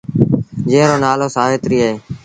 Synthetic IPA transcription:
d͡ʒeːɾoːnaːloːsaːʋeːt̪ɾiːəɦeː

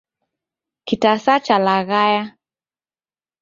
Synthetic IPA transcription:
kitasat͡ʃalaɣaja

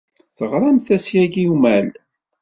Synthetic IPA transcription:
θəʁɾˤɑmθæsjæɡiumæl

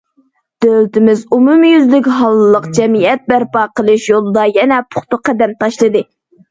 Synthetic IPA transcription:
d̪̥ølt̪ʰɪmɪzumumjyzlɪkʲɦɑlˠːɨlˠəqd͡ʒɛmijɛt̪̚bæɾpɑːqəlˠɨʃjolˠɨd̪ɑjɛnɛpʰʊ̥χt̪ʊqːæd̪ɛmt̪ʰɑʃlˠɨd̪ɨ

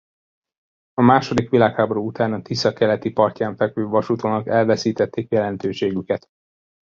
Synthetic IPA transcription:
ɒmaːʃo̞d̪ikʋilaːkhaːbo̞ɾuːut̪aːnɒt̪isɒkːɛlɛt̪ipɒrcaːɱfɛkʋøːvɒʃut̪oːnɒkɛlvɛsiːt̪ɛt̪ːeːkjɛlɛnt̪øːʃeːɡykɛt̪

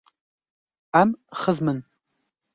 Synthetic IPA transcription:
amχəzmɨn

